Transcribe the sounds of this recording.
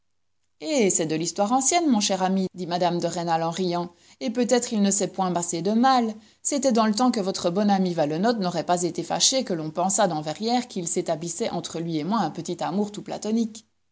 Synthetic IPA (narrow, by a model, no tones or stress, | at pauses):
esɛd̪əlist̪waʁɑ̃sjɛnmɔ̃ʃɛʁamid̪imad̪amd̪əʁenalɑ̃ʁijɑ̃ | epøt̪ɛt̪χilnəsɛpwɛ̃mased̪əmal | set̪ɛd̪ɑ̃lət̪ɑ̃kəvɔt̪χəbɔnamivalɔnɔt̪nɔʁɛpazet̪efa̰ʃekəlɔ̃pɑ̃sad̪ɑ̃vɛʁjɛʁkilset̪ablisɛʔɑ̃t̪χəlɥiemwaɛ̃pət̪it̪amuːʁt̪upla̰t̪ɔnik